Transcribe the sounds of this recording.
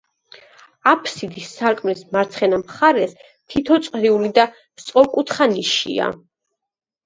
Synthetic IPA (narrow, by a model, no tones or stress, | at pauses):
apʰsid̪isːaɾkʼmnɛsmaɾt̪sʰχɛnamχaɾɛs | t̪ʰit̪ʰɔt̪sʼqʼɾiulid̪a | t̪sʼqʼɔkʼut̪ʰχaniʃḭa̰